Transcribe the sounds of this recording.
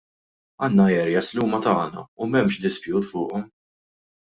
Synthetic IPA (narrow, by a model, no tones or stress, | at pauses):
ɐːnːɐɛɾjɛsliuːmɐt̪ɐːnɐ̰umɛmʃd̪ɪspjuːt̪fʊːʔɔm